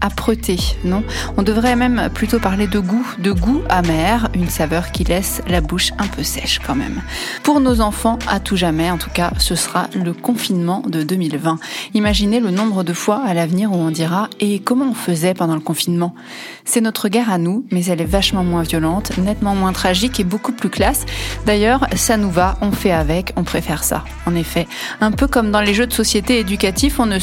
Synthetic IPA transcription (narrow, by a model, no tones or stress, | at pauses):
apχøt̪enɔ̃ɔ̃d̪əvʁɛmɛmplyt̪opaʁled̪əɡud̪əɡuamɛʁynsavœʁkʲilɛslabuʃɛ̃pʰøsɛʃkɑ̃mɛ̰m | puʁnozɑ̃fɑ̃at̪uʒamɛɑ̃t̪u̥kasəsʁaləkɔ̃finmɑ̃d̪əd̪ømilvɛ̃imaʒinelənɔ̃bʁəd̪əfwaːlavniʁuɔ̃d̪iʁaekɔmɑ̃ɔ̃fəzɛpɑ̃d̪ɑ̃ləkɔ̃finmɑ̃ | sɛnɔt̪χəɡaʁanumɛzɛlɛvaʃmɑ̃mwɛ̃vjɔlɑ̃t̪nɛt̪mɑ̃mwɛ̃t̪χaʒikebokuplyklasd̪ajœːʁsanuvaɔ̃fɛavɛkɔ̃pχefɛʁsa̰ | ɑ̃nefɛ | ɛ̃pøkɔmd̪ɑ̃leʒød̪əsɔsjet̪eːd̪ykat̪ifɔ̃nə